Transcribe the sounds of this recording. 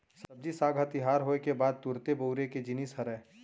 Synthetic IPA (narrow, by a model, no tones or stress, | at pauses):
sɐb̚d͡ʒisaːɡʱət̪ɪɦaːɾɦoːekebaːd̪̚t̪ʊɾt̪eboʊɾeked͡ʒɪniːsɦəɾɛː